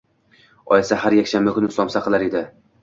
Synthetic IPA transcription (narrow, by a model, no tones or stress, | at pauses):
ɒ̰jɪsahaɾjakʲʃanbakʰʊnɪʊslˠɒmsaqʰɨlˠaɾe̞d̪ɪ